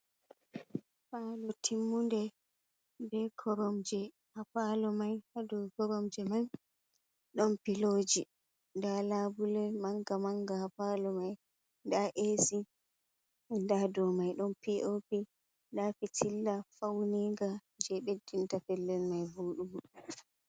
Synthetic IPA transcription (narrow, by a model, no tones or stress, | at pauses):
falɔtʰimːundɛ | bɛkʰɔɾɔmd͡ʒɛ | hapalɔmajhadɔkɔɾɔmd͡ʒɛmaj | ɗɔnpiloːd͡ʒi | ndalabulɛmaŋɡamaŋɡahapalɔmaj | ndaʔesi | ndadɔmajɗɔnpiʔopi | dafitʰilːafawniɡad͡ʒɛɓedːintafɛlːɛlmajvuɗubu